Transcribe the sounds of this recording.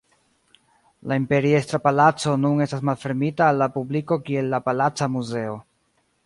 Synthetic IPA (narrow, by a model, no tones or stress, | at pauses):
laimpe̞ɾie̞stɾapalat͡so̞nune̞stasmalfe̞ɾmitaːlːapubliko̞kie̞lːapalat͡samuze̞o̞